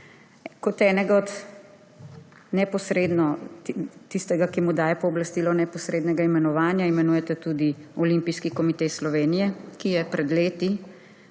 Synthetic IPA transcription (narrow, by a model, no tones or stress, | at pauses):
kɔt̪ɛːnɛɡaɔt̪ | nɛpɔsɾeːd̪nɔ | t̪ːist̪ɛɡakimud̪aːjɛpɔːblɐst̪iːlɔnɛpɔsɾeːd̪nɛɡaimɛnɔʋaːnjaimɛnuːjɛt̪ɛt̪ud̪iɔlimpiskikɔmit̪eslɔʋeːnijɛkijɛpɾɛd̪leːt̪i